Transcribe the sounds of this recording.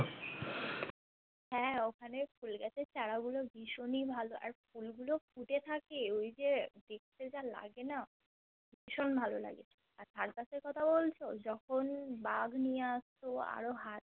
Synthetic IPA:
ɦɛ̃okʰanefulɡɛt͡ɕʰet͡ɕaɽaɡuloɡiʃonibʱaloʔa̰ɾfulɡulokʰuʈet̪ʰakeojd͡ʑed̪ek̚ʰt̪ed͡ʑala̰ɡena | ɡiʃonbʱalola̰ɡet͡ɕʰe̥ | aɾt̪ʰaɾp̪aseɾkɔt̪ʰabolt͡ɕʰod͡ʑɔkʰonbaɡnijeaʃt̪oa̰ɾoɦat̪̚

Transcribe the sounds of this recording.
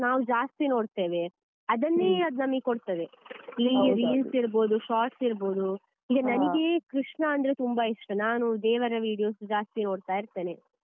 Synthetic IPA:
naːʋud͡ʒaːst̪ino̞ːɖt̪e̞ːʋe̞ | ɐd̪ɐnːeːɐd̪nɐmːɐɡekoɽt̪ɐʋeliɾiːlsiɾbo̞ːd̪uʃaːʈsiɾbo̞ːd̪u | iːɡɐnɐniɡe̞kɾiʂɳɐɐnd̪ɐɾet̪umbaiʂʈɐnaːnuid̪eːʋɐɾɐʋiːɽijo̞ːsd͡ʒaːst̪ino̞ːɽt̪aːjiɾt̪e̞ːne

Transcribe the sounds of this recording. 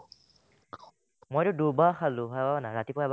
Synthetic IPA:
mojɾʊdubaxalʊ̃ɦababanaɹatipɔɛba

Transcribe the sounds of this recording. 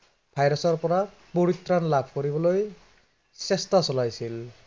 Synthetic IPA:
bʱajɾɔsɔɹpɔɾa | poɾit̪ɾanlabʱkɔɾibɔloj | sest̪asɔlajsil

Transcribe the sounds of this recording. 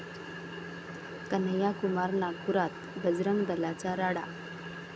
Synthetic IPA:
kən̤əjakumaɾnakuɾat̪ | bəd͡zɾəŋd̪əlat͡saɾaɽa̰

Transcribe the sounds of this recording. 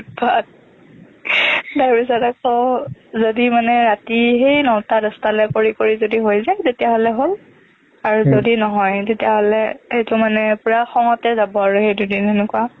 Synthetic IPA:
bʱad̚ | daɹbis̬ɔtakɔzodimanɛɹatixejnɔwtadɔstalɛkoɹikoɹizodiɦojzajtetijaɦolɛɦol | aɹuzodinɔɦɔjtetijaɦolɛejtʊmanɛpʊɹaxɔŋɔtɛzabɔaɹuxejdudinenʊkua

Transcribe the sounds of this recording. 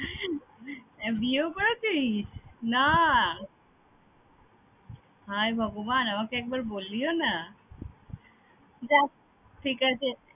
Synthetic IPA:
biokɔɾokiisna | ɦajbʱɔɡomanamakeɛk̚baɾbolːiona | d͡ʑa | ʈʰikat͡ɕʰe

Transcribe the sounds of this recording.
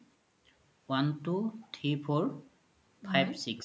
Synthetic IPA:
wantutʰɹipʰɔɹ | pʰajbsiks

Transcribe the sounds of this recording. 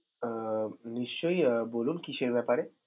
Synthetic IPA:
niʃt͡ʃəjbolunkiɕejʋɛpaɾe

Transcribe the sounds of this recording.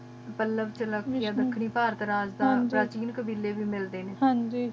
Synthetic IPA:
pəlːəbt͡ʃələɡaːd̪əkʰːɳiːpaːɾət̪ɾaːd͡ʒd̪ãːnpɾaːt͡ʃiːnkəbiːlːeːbiːmɪld̪eːneːɦãnd͡ʒiː

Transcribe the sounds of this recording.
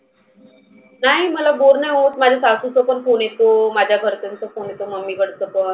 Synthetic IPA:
naɦiməlaboɾnajɦot̪mad͡ʑʱasasut͡səpəɳfonet̪omad͡ʑʱjaɡʱəɾt̪ənt͡səfonet̪oməmːikəɽt͡s̪ət̪o

